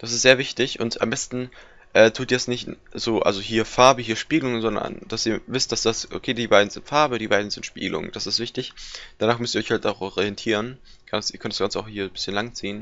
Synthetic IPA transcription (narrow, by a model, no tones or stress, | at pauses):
d̥asɪstz̥eːɐvɪçtɪçʔʊ̰ntʰa̰mbɛstn̩ | ʔɛːtʰuːtjɛsnɪçtz̥oːʔa̰lzohiːɐfaɐbəɦiːɐʃpiːɡəlʊŋənzɔndɐ̰nd̥asiːɐvɪstd̥asd̥asʔo̰kʰeːdiːbaɪdn̩zɪntfaɐbədiːbaɪdn̩zɪntʃpḭːɡəlʊ̰ŋd̥asɪstv̥ɪçtɪçd̥anaːχmʏstiɐɔçhaltaʊxʔɔʁiɛntʰiːʁən | ɡ̥ansiːɐkʰœntdḁsɡ̥ant͡səa̰ʊxhiːɐbɪsçənlaŋt͡siːən